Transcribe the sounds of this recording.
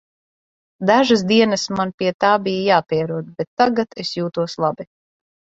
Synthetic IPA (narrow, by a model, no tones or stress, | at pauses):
d̪aʒasd̪iɛnɨsmanpʲiɛt̪aːbijajaːpʲiɛɾuɔd̪bet̪ːaɡat̪esjuːt̪uɔslˠabi